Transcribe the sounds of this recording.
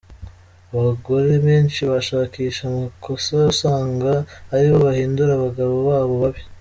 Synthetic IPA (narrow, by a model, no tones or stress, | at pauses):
aβaɡo̞ɾe̞βeːnt͡ʃiβaʃaːkiːʃamakʰo̞sausaːŋɡaːɾiβo̞βahiːnduɾaβaɡaβo̞βaːβo̞βaβi